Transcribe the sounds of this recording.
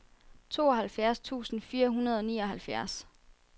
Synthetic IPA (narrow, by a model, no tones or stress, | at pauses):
t͡sʰo̝̰ːɒɦælfjæɐst͡sʰṵːsn̩fiːɐɦunɐð̞ˠɒ̽nḭːɒ̽ɦælfjæɐs